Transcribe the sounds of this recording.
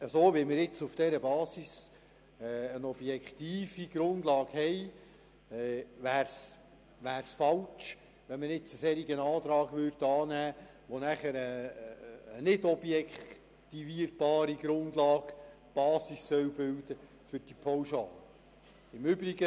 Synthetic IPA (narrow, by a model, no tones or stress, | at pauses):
əsoːʋimɪɾjɪt͡sufd̥ɛɾəbɑːsis | ənɔb̥jɛkχt̪iːfiɡ̥ɾʊnd̥lɑːɡ̥hɛj | ʋæːɾs | ʋæːɾsfɑlt͡ʃ | ʋɛnməɾɪt͡səsɛɾiɡənɑːd̪ɾɑːɡʋʏɾdəɑːnæː | ʋonæχəɾəː | nɪdɔbjɛkʰ | t̪iviəɾb̥ɑːɾiɡɾʊnd̪lɑːɡ̥ | b̥ɑːsisːœwbɪwd̥ə | fʏɾd̥ipʰɔwʃɑ̰ːlə | ɪmʏbɾiɡə